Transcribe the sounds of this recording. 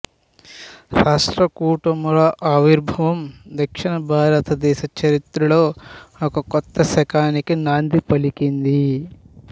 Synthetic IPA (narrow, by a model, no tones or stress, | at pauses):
ɾaːʂʈɾɐkuːʈɐmɾɐʔaːʋiɾbʱɐʋɐmd̪ɐkʂiɳɐbʱaːɾɐt̪ɐd̪ɛːʃɐt͡ʃɐɾit̪ɾulo̞ːɔkɐkɔt̪ːɐsɛkaːnikinaːnd̪ipɐlikind̪i